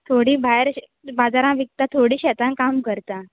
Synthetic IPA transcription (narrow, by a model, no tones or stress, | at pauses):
t̪ʰoɽiːbʱaeɾ | bad͡zaɾãʋik̚t̪at̪ʰoɽiːɕɛt̪ãnkamkəɾt̪a